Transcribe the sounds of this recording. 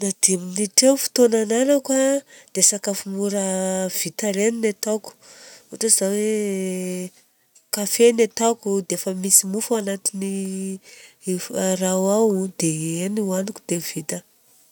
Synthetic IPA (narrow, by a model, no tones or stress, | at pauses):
nad̪iminiʈ͡ʂewfi̥t̪onananakwad̪̥esakafumuɾav̥it̪aɾeninet̪aku̥uʈ͡ʂazawe | kafenet̪akʲud̪eefəmisimufuanat̪ini | rawawd̪̥eeniwaniku̥d̪̥ev̥it̪ə